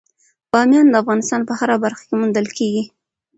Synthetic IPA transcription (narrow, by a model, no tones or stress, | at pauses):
b̥ɑmjɑnd̪əafɣɑnɪst̪ɑnpəhaɾabaɾxḁkemund̪əlkeɡi